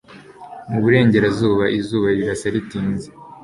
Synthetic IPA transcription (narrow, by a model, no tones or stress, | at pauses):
muβuɾe̞ːɲɟe̞ɾazuːβaʔizuːβaɾiɾasaɾitiːnze